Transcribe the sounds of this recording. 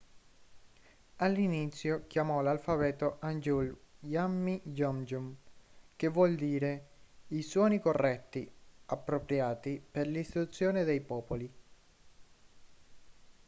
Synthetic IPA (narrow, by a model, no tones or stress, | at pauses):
alːinit̪sːjok̟jamɔlalfabɛːt̪oʔand͡ʒuljamːid͡ʒɔmd͡ʒumkevwɔld̪iːɾeiswɔːnikorːɛt̪ːiapːɾopɾjaːt̪iperlist̪it̪ut̪sːjoːned̪ejpɔːpoli